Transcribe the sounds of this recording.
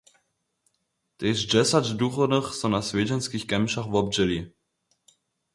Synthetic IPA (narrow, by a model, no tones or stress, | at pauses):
t̪ɛzd͡ʑɛsad͡ʑd̪uxɔnɘxsɔ̃wnasvʲɛd͡ʑɛnskʲixkɛmʂaxvɔb̚d͡ʑɛlʲi